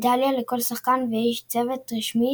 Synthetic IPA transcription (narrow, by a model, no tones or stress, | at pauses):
d̪aljaleko̞lsaχkanveiʃt͡sevet̪ʁiʃmi